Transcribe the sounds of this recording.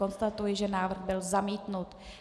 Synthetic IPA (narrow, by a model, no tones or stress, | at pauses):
o̞nst̪at̪ujɪʒɛnaːvr̩ɣbɪlzamiːt̪nut̪